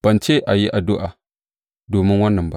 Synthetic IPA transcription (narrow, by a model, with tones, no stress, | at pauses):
b̥ɐ˨nt͡ʃe˦ʔa˨ji˦ʔa˨dʊ˦ʔa˨ | doː˨mɪ˦nwɐ˦nːɐ˨mba̰˦